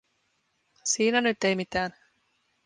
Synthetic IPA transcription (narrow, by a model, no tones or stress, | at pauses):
siːnænyt̪ːe̞jmit̪æːn